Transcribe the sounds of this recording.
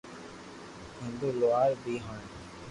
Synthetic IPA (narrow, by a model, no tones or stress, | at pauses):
ɦɪ̃nd̪uːloaːɾbʱiːɦãːɳ